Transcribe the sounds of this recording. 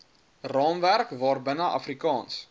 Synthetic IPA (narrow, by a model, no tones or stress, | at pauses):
rɑːnværkvɑːrbənəʔɐ̰frikɑːns